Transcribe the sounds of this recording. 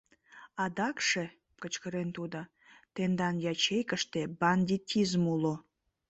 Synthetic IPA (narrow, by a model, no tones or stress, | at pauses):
ɑd̪ɑkʃe | kət͡ɕkəɾent̪ud̪ə | t̪end̪ɑnjɑt͡ɕejkəʃt̪ebɑnʲd̪ʲit̪ʲizmulo